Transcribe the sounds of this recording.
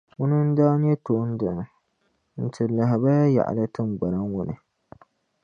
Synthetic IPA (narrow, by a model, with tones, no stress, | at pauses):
wʊ˦nɨ˦n̩˦daː˦n˦ɛ˦to˨˦n̩˦dɨ˨nɨ˨ | n̩˨tʰɨ˨la˨ɦɪ˨ba˦ja˦ja̰˨ʔa̰˨la˦tɨ˦m˦ɡ͡ba˨ɾa˦ŋwʊ˦nɨ˨